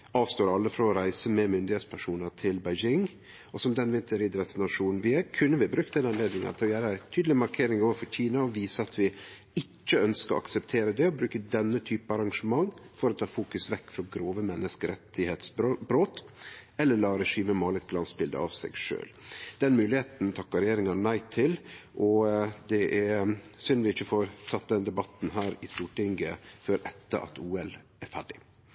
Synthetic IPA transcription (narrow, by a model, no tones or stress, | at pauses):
ɑːʋst̪oːɾɑlːəfɾɑːɾæɪsəmɛmʏnd̪ɪheːt̪spʰæʂuːnət̪ʰɪlbæɪd͡ʒɪŋ | ɔsɔmd̪ɛnʋɪnt̪ʰəɾid̪ɾɛt̪snɑʂuːnn̩ʋɪækʰʉnːəʋɪbɾʉk̚t̪d̪ɛnɑnleːd̪nɪŋɑ̰t̪ɔjæːɾəæɪt̪ʰyːd̪l̩ɪmɑɾkʰeːɾɪŋoːʋəfɔɾçiːnɑɔʋiːsəɑt̪ʋɪ | ɪt͡ʃːəœnskəɔ̰ʔɑ̰ksɛpt̪ʰeːɾəd̪ɛɔbɾʉːkəd̪ɛnːət̪ʰyːpəɑɾɑŋʂəmɑŋːfɔɾɔt̪ʰɑːfuːkʉsʋɛkːfɾɑɡɾoːʋəmɛnːəskəɾɛt̪ʰɪheːt̪sbbɾoːt̪ɛlːəlɑːɾɛʂiːməmoːlət̪ɡlɑnsbɪld̪ə̰ɑ̰ʋsɛ̰ɡʂø̰ːld̪ɛnmʉːlɪheːt̪n̩t̪ʰɑkːɑɾɛjeːɾɪŋɑnæɪt̪ʰɪlʔɔd̪ɛʔæɾsʏnʋɪɪçːəfoːɾt̪ʰɑt̪ːd̪ɛnd̪ɛbɑt̪n̩ɦæːɾɪst̪uːʈɪŋɡəfɔɾʔɛt̪ːə̰ʔɑ̰t̪uːɛlæɾfæɖɪ